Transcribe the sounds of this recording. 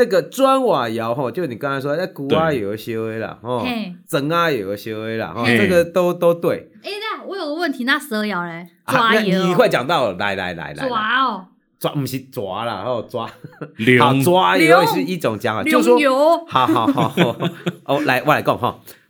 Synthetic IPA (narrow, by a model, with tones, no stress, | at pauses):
na˥˩ɡə˨t͡swa˦nwa˨˩ja˨˦ʊɦɔ˥˧˨t͡ɕjo˥˩ʊ˨ni˨˩ka˦ŋt͡sa˧ɪs̬wɔ˦˧˦a˧˩ku˨a˦jɛ˨˩jo˨˩ɕjo˧˦e˧˦ɪlə̰˨hɔ˥˧˩t͡sə˨˦ŋa˧jɛ˨˩jo˨˩ɕjo˧˦ʊe˧˦ɪlə̰˨˩hɔ˥˨nə˥˧˩ɡə˨t̪o˦ʊt̪o˥˦ʊt̪we˥˩ɪe˥˧na˥˩wɔ˧˥jo˨˩də˦wə˥˩nt̪ʰi˧˦na˥˧s̩˧ə˧˦˧ja˨˦ʊla˧˦ʔa˨˩a˥na˥˨n˧ĩ˨˩we˥˩ɪt͡ɕja˨˩ŋt̪ɑ˥˨ʊ˨la̰˨˦ɪla̰˨˦ɪla̰˨˧˦ɪla̰˨˦a˦ | t͡swa̰˦m̩˧˩ɕi˨˦t͡swa˧˦lə̰˨hɔ˥˨˩t͡swa˦a˨˦ʊt͡swa˦je˧˦˧ʂɻ̩˥˧i˥˩t͡sɔ˨˩ŋt͡ɕja˧˦ŋa̰˨jo˧˥˧swɔ˥jo˨˧˦ha˨˦ʊa˨˦ha˨˦hʔɔ˨˩la˨˦ɪwɔ˨˦la˨˦kɔ˥˨ŋɦɔ̰˥˨˩